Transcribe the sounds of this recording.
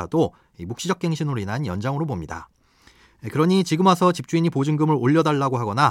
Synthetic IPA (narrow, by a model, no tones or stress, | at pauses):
a̰do | imuk̚ɕ͈id͡ʑʌk̚k͈e̞ŋɕʰinɯɾoinɦanjʌnd͡ʑaŋɯɾobomɲida̰ | ikɯɾʌɲit͡ɕiɡɯmɦasʰʌt͡ɕip̚t͡ɕ͈uiɲipod͡ʑɯŋɡɯmɯɾoʎːʌdaɭːaɡoɦaɡʌna